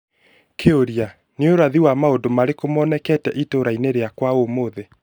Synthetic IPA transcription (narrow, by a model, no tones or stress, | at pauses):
kʰeoɾia | neoɾaðiwamaondomaɾekomɔnɛkɛtɛʔitoɾaineɾeakwaomoðe